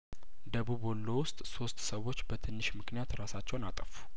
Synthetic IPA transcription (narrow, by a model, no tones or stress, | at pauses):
d̪əβuβolːo̞wʊst̪ʼso̞st̪ʼsəwo̞t͡ʃːbət̪ʰɨnːɨʃmɨknijat̪ɾasat͡ʃːɛwnat̪ʼəfu̥